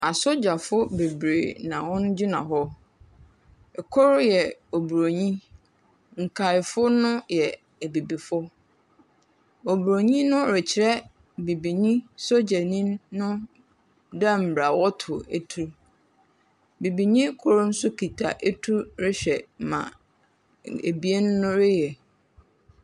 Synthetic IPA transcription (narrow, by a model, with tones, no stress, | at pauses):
a˨so˦d͡ʑa˨fʊ˦be˨bɾḛ˨nã˨wɔ̃˦n˦d͡ʑi˦nã̰˨ɦɔ˦ | ɛ˨kʰɔ˦ɾʊ˦jɛ˨o˨bu˨ɾo˨ɲĩ˦ | ŋ̩˨kʰa˨ɪ˨fʊ˦nʊ̃˦jɛ˨ | æ˨bi˨bi˨fʊ˦ | o˨bu˨ɾo˨ɲĩ˦nʊ̃˦ɾɪ˨t͡ɕʰɪ˨ɾɛ˦ | bi˨bi˨ɲĩ˦so˦d͡ʑɛ˨nĩ˦mːʊ̃˦ | da˦m̩˨bɾa˨wɔ˦tʰʊ˨e˦tʰu˦ | bi˨bi˨ɲĩ˦kʰʊ˦ɾʊ˦n̩˦sʊ˦kʰi˨tʰa̰˨ʔe˦tʰu˦ɾɪ˦ɕᶣɛ˨mã̰˨ | ḛ˨bi˦e˦nː˦ʊ̃˦ɾɪ˦jɛ˨